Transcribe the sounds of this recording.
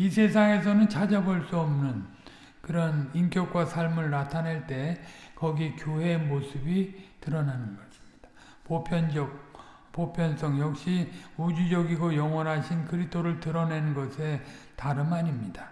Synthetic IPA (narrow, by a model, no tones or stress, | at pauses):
isʰe̞sʰaŋe̞s̬ʰʌnɯnt͡ɕʰad͡ʑabʌɭs͈uʌmnɯn | kɯɾʌnink͈jʌk̚k͈wasʰaɭmɯɭnatʰaneɭt͈e̞kʌɡikjoɦe̞mosʰɯbitɯɾʌnanɯnɡʌɕʰi̥mɲid̥ḁ | popʰjʌnd͡ʑʌk̚ | popʰjʌns͈ʌŋjʌk̚ɕ͈iud͡ʑid͡ʑʌɡiɡojʌŋwʌnɦaɕʰinkɯɾitʰoɾɯɭtɯɾʌnenɯnɡʌsʰe̞ | taɾɯnmaɲimɲida